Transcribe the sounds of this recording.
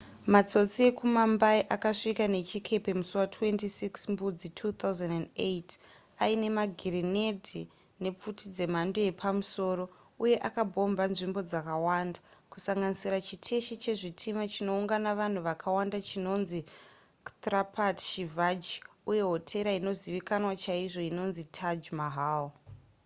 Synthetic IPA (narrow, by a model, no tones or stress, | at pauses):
mat͡so̞t͡sie̞kumambaiʔakaʂikane̞t͡ʃikʰe̞pe̞musuwatʰwe̞ntisiksmbud͡zitʰuːt̪auzandandet | aine̞maɡʱirine̞dʱi | ne̞p͡futʰid͡ze̞m̤andoje̞pʰamuso̞ːɾo̞ | uje̞ʔakabʱo̞mbanʐimbo̞d͡zakawandakusaŋɡanisiɾat͡ʃitʰe̞ʃit͡ʃe̞ʐitʰimat͡ʃino̞uŋɡanaʋan̤uʋakʰawandat͡ʃino̞nzi | t̪rapʰatʃivad͡ʒi | uje̞ɦo̞tʰe̞ɾaino̞ziʋikanwat͡ʃaiʐo̞ino̞nzitʰad͡ʒmaɦaːl